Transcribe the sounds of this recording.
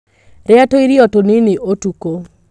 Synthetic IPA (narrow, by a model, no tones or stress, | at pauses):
ɾɛatoiɾiɔtonɪnɪʔotuko